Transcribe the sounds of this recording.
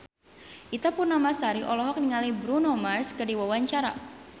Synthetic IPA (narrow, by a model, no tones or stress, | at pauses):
ʔit̪apʊrnamasaɾiʔɔlɔɦɔk̚niŋalibɾunɔmarskərdiwawaɲt͡ʃaɾa̰